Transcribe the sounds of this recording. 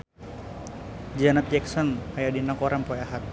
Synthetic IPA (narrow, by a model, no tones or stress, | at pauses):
d͡ʒanat̪̚d͡ʒɛksɔnajadinakɔɾampɔjaɦat̪̚